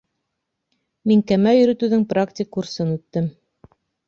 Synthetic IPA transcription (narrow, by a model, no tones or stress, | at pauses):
miŋkæmæjɵ̆ɾɵ̆t̪ʉðɘŋpraktʲɪkːursɤnʉt̪ːɘm